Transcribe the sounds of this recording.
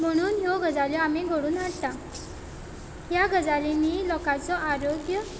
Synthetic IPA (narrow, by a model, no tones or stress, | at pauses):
m̤əɽ̃uːnɦjɔɡəd͡zaljɔameɡʱoɽuːnɦaɽt̪a | ɦjaɡəd͡zaliniːlɔkat͡sɔʔaɾoɡjə